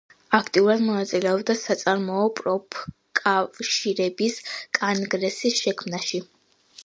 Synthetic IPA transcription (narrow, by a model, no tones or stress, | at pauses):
akʰt̪ʼiuɾad̪mɔnat̪sʼilɛɔbd̪asat̪sʼaɾmɔɔpʼɾɔpʰ | kʼavʃiɾɛbiskʼanɡɾɛsisʃɛkʰmnaʃi